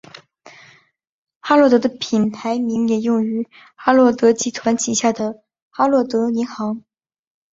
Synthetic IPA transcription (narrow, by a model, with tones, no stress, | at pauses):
xa˥lwɔ˥˩t̪ɤ˧˥ə˧pʰi˨˩nt̪ʰa˧˥ɪmi˧˥ŋjɛ˨˩jʊ˥˩ŋy˧˥ | xa˥lwɔ˥˩t̪ɤ˧˥t͡ɕi˧˥t̪ʰwa˧˥nt͡ɕʰi˨˩ɕja˥˩d̪ə˩ | xa˥lwɔ˥˩t̪ɤ˧˥i˧˥ŋxɑ˧˥ŋ